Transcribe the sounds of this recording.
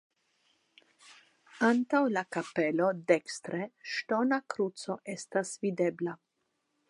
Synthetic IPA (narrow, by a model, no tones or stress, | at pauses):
antawlakape̞lo̞de̞kstɾʔeʃto̞nakɾut͡so̞ʔe̞stasvide̞bla